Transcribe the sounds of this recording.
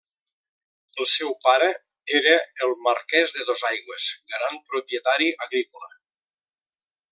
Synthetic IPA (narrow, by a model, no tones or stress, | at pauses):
əlˠsɛwpaɾə | eɾəːlˠməɾkɛzðəðozajɣwəz̥ɡɾampɾupjət̪aɾiʔəɣɾikula̰